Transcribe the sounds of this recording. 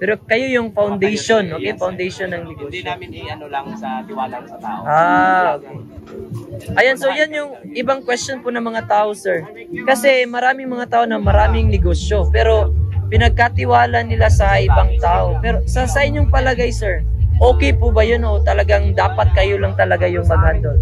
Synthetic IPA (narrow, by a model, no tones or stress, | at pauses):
pɛɾokɐjo̞jʊŋfawnd̪ɛjʃo̞nʔokɛjfɐwnd̪ɛjʃonːɐŋnɪɡoʃ | ɪwaɐaʔaː | ʔɐjansojanjʊŋʔɪbaŋkwɛstonpʊnɐŋmɐŋat̪aːʔo̞sɛɹ | kɐsɛmɐɾaːmɪŋmɐŋat̪aːʔonɐmɐɾaːmɪŋnɪɡoːsjo̞pɛːɾo̞pɪnɐɡ̚kat̪ɪwaːlɐnɪlasɐʔɪbaŋt̪aːʔo̞pɛːɾosɐsɐʔɪɲːʊŋpɐlɐɡajsɛɹ | ʔo̞ːkɛjpʊbɐjonʔo̞t̪ɐlɐɡaŋd̪aːpɐt̪̚kɐjo̞lɐŋt̪ɐlɐɡajʊŋpɐɡ̚hand̪ol